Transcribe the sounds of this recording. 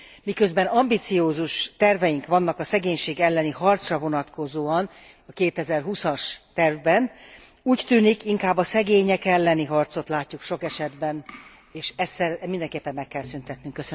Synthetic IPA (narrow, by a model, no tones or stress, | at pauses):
mikø̞zbɛnɒmbit̪sioːzuʃt̪ɛrvɛjiŋkʋɒnːɒkɒsɛɡeːɲʃeːɡɛlːɛniɦɒrt̪srɒvo̞nɒt̪kʰo̞zoːɒn | ɒkeːt̪ɛzɛrɦusɒʃt̪ɛrvbɛn | uːct̪yːnikiŋkaːbːɒsɛɡeːɲɛkɛlːɛniɦɒrt̪so̞t̪laːcːukʃo̞kɛʃɛd̪bɛn | eːʃɛsːɛlmind̪ɛŋkeːpːɛmːɛkːɛlsynt̪ɛt̪nyŋkːøsø